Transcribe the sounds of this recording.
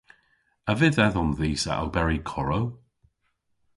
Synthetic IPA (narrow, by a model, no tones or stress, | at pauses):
əvɪðɛðɔnðiːsa̰ʔa̰lbɛɹikʰɔɹow